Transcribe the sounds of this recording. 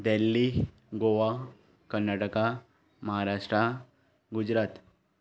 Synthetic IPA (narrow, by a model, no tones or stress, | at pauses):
d̪elːi | ɡoʋa | kənjaːʈəka | mɐɦaɾaːʂʈɾa | ɡʊd͡ʒɾaːt̪